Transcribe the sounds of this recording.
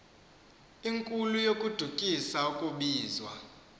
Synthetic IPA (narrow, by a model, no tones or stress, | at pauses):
iŋkʼulujokʼud̥ʱukʼisaukʼuɓiːzwa̰